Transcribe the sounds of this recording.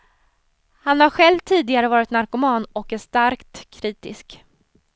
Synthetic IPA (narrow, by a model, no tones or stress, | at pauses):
hanhaɾɧɛlvt̪ʰiːd̪ɪɡaɾəvɑːɾɪt̪naɾkʊmɑːnɔkɛʂt̪aɾkt̪kʰːɾiːt̪ɪsk